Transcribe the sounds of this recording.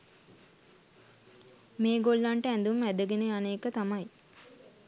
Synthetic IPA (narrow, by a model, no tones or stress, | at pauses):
meːɡolːaɳʈəænd̪umæd̪əɡenəjaneːkət̪amaj